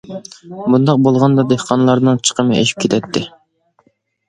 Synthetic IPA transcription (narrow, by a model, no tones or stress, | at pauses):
bund̪ɑq̚bolˠʁɑnd̪ɑd̪ehqʰɑnɨlˠɑɾnɨŋt͡ʃʰə̥qʰəmɨḛʃi̥p̚kʲʰet̪ʰɛt̪ʰːɪ